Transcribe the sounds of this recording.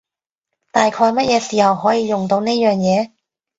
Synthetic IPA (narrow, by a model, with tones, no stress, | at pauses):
t̪aː˨jkʰɔː˧jmɐ˥t̚jɛː˨˧siː˨˩hɐ˨wɦɔː˨˥jiː˨˧jʊ˨˩ŋt̪o˧wne˥jœː˨ŋjɛː˨˧